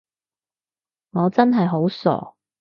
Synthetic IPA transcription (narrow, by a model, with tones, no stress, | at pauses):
ŋɔː˨˧t͡sɐ˥nɦɐ˨jɦo˨˥wsɔ̰ː˨˩